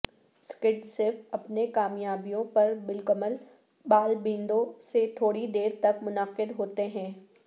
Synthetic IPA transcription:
skɪʈsɪɾfɐpnekaːmjaːbijõpɐɾbɪlkəməl | baːlbɪ̃ːnd̪õset̪ʰoːɽid̪eːɾt̪ɐkmʊnəqɪd̪ɦoːt̪eɦɛ̃ː

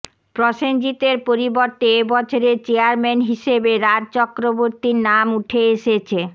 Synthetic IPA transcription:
pɾoʃend͡ʑit̪eɾpoɾiboɾt̪eebɔt͡ɕʰoɾet͡ɕeaɾmenɦiʃebeɾad̚t͡ɕɔkɾoboɾt̪iɾnamuʈʰeeʃet͡ɕʰe

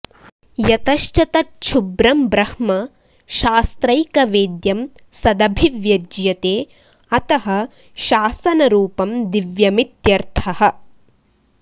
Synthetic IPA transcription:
jɐt̪ɐʃt͡ʃɐt̪ɐtt͡ʃʰubɾɐmbɾɐhmɐ | ʃaːst̪ɾɐjkɐʋeːd̪jɐm | sɐd̪ɐbʱiʋjɐd͡ʒjɐt̪eː | ɐt̪ɐɦɐ | ʃaːsɐnɐɾuːpɐmd̪iʋjɐmit̪jɐɾt̪ʰɐɦɐ

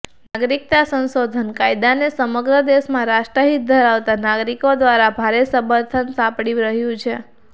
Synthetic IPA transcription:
naɡɾik̚t̪asə̃ñsod̪ʱənkajd̪anesəməɡɾəd̪esmãɾaʃʈɾəɦit̪̚d̪ʱəɾaʋt̪anaɡɾikod̪ʋaɾabʱaɾesəməɾt̪ʰənsapɽiɾəɦjũt͡ʃʰe

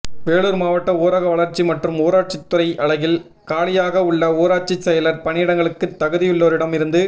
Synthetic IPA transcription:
ʋeːɭuːɾmaːʋɐʈːɐoːɾɐɣɐʋɐɭɐɾt͡ʃːimɐʈrɯmoːɾaːʈ̚t͡ʃɪt̪ːʊɾɐɪʔɐɭɐɣɪl | kaːɭɪjaːɣɐʊɭːɐoːɾaːt͡ʃːisɛjɐlɐɾpɐnɪjɪɽɐŋɡɐɭɯkːɯt̪ːɐɣɯðɪjɯɭːoːɾɪɽɐmɪɾɯnd̪ɯ

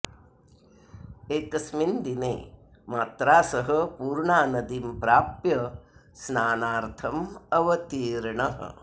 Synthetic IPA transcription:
eːkɐsmind̪inḛː | maːt̪ɾaːsɐɦɐpuːɾɳaːnɐd̪impɾaːpjɐsnaːnaːɾt̪ʰɐmɐʋɐt̪iːɾɳɐɦɐ̰

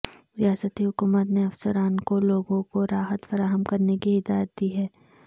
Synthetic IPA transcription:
ɾijaːsət̪iɦʊkuːmət̪neɐfsəɾaːnkoloːɡõkoɾaːɦət̪fɐɾaːɦəmkɐɾnekiɪd̪aːjət̪̚d̪iɦɛː

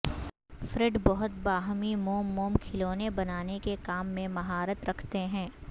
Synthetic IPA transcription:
fɾɪɖbɐɦʊt̪̚baːɦmimoːmːoːmkʰɪloːnebɐnaːnekekaːmːẽmɐɦaːɾət̪ɾɐkʰt̪eɦɛ̃ː

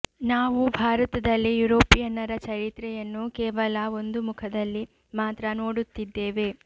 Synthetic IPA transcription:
naːʋubʱaːɾɐt̪ɐd̪ɐlːijuɾoːpijɐnɐɾɐt͡ʃɐɾit̪ɾɛjɐnːukɛːʋɐlɐo̞nd̪umukʰɐd̪ɐlːi | maːt̪ɾɐno̞ːɽut̪ːid̪ːeːʋe̞

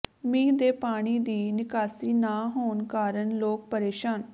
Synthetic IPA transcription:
mĩːd̪eːpaːɽ̃iːd̪iːnɪkaːsiːnaːɦoːnkaːɾəɳloːk̚pəɾeːʃaːn

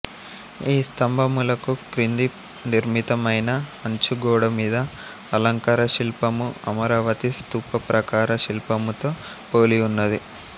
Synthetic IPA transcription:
iːst̪ɐmbʱɐmulɐkukɾind̪i | niɾmit̪ɐmɐjnɐɐɲt͡ʃuɡɔːɽɐmiːd̪ɐː | lɐŋkɐɾɐʃilpɐmuɐmɐɾaːʋɐt̪ist̪uːpɐpɾɐkaːɾɐʃilpɐmut̪oː | poːliunːɐd̪i

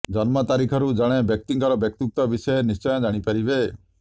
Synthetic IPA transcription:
d͡ʒɔnmɔt̪aɾikʰɔɾud͡ʒɔɽ̃ebjɔk̚t̪iŋkɔɾɔbjɔk̚t̪uk̚t̪ɔbisɔjenist͡ʃɔjɔ̃d͡ʒaɽ̃ipaɾibe

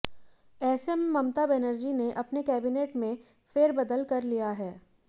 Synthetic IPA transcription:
ɛːsɛmːɐmt̪abɛnəɾd͡ʒineʔɐpnekɛːbineːʈmẽ | feːɾbɐd̪əlkɐɾlijaɦɛː

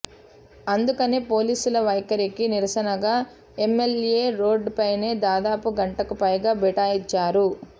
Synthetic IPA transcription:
ɐnd̪ukɐneːpo̞ːliːsulɐʋɐjkɐɾikiniɾɐsɐnɐɡaː | emːelje̞ːɾo̞ːɖpɐjne̞ːd̪aːd̪aːpuɡɐɳʈɐkupɐjɡaːbɛʈaːjit͡ʃːaːɾu

